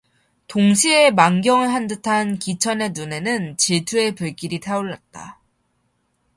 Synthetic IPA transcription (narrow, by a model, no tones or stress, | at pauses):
toŋɕʰie̞maŋɡjʌŋɯɭɦandɯtʰankit͡ɕʰʌne̞nune̞nɯnt͡ɕitʰue̞pɯɭk͈iɾitʰaoɭːat̚t͈a̰